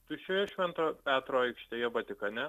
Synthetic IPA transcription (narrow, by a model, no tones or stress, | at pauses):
t̪ʊʃʲɛjɛʃʲmʲɛnt̪oːpʲæːt̪ɾoːɐɪkʃʲt̪ʲeːjɛbɐt̪ʲɪkɐnʲɛ